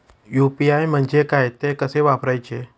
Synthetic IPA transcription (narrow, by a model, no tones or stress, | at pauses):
jupiajm̤ənd͡ʒekajt̪ekəseʋapɾajt͡ʃʰe